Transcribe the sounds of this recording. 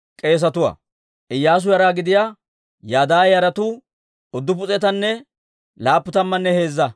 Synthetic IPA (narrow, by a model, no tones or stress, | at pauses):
kʼe̞ːs̬ɐt̪ʊwɐ̰ | ʔɪjːaːs̬ʊjɐɾaːɡɪd̪ɪja | jaːd̪aːjɐɾɐt̪u | ɔd̪ːʊp̬ʊt͡sʼɛt̪ɐnːɛ | laːpːʊt̪ɐmːɐnːɛhe̞ːzːɐ